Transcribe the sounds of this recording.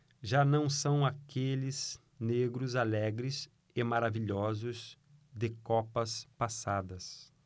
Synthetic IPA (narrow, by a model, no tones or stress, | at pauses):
ʒanɐ̃w̃sɐ̃w̃akelɪz | neɡɾʊzalɛɡɾɪz | emaɾaviʎɔzʊz | d̪ɪkɔpɐspasad̪ɐs